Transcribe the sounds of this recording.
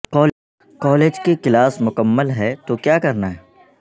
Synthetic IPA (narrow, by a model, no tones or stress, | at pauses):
kɔːl | kɔːleːd͡ʒkekɪlaːsmʊkəmːəlɦɛt̪okjaːkɐɾnaɦɛː